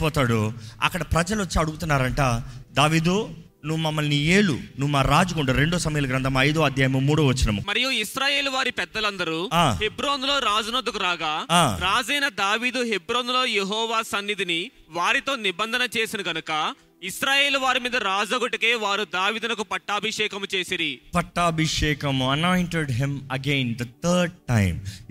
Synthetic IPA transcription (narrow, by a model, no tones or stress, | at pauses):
pɔːt̪aːɽuɐ̰kːɐɽɐpɾɐd͡ʒɐlot͡ʃːiɐɽuɡut̪unːaːɾɐɳʈaːd̪aːʋiːd̪u | nuʋːumɐmːɐlnieːlṵnuʋːmaːɾaːd͡ʒukuɳɖuɾe̞ɳɖɔːsɐmɐjulɐɡɾɐnd̪ʰɐmɐjd̪oːɐd̪ʱjaːjɐmɐmːuːɽoːʋɐt͡ʃːinɐmumɐɾijuisɾaːje̞ːluʋaːɾipɛd̪ːɐlɐnd̪ɐɾuaːɦebɾoːnulo̞ːɾaːd͡ʒunod̪ːɐkuɾaːɡaːaːɾaːd͡ʒɛːnɐd̪aːʋiːd̪uɦebɾoːnulo̞ːjeɦɔːʋaːsɐnːid̪ini | ʋaːɾit̪o̞ːnibɐnd̪ʱɐnɐt͡ʃe̞ːsinɐɡɐnukɐ | isɾaːje̞ːluʋaːɾimiːd̪ɐɾaːd͡ʒɐɡuʈikeːʋaːɾud̪aːʋiːd̪unɐk̬upɐʈːaːbʱiʂɛːkɐmut͡ʃe̞ːsiɾipɐʈːaːbʱiʂɛːkɐmɐnajɳʈeɖɦimɐɡeːnd̪ɐt̪ʰɐːɾɖ̚ʈɐ̰jm